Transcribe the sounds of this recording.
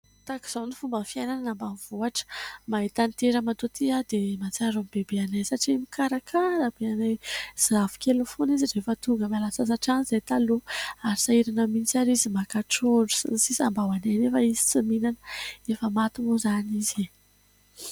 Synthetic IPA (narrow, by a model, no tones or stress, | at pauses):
t̪aki̥z̥awnifumbəfiajnananambanvuaʈ͡ʂə̥mait̪ant̪eɾəmat̪ut̪iad̪emat͡saɾamibebeanajsaʈ͡ʂimikaɾakʰaɾəb̥eanajz̥avu̥kʲelufuniziɾefət̪uŋɡəmalasas̬aʈ͡ʂanizejt̪aluaɾisaiɾanəmint͡saɾizimakaʈ͡ʂuɳɖ͡ʐu̥sinisisambawananefəizi̥t͡siminanəefəmat̪umuzanizi